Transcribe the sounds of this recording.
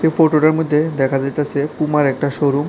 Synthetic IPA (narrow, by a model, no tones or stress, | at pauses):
efoʈoɖaɾmod̪ʱːed̪ɛkʰad͡ʑajt̪asʰepumaɾɛk̚ʈaʃoɾu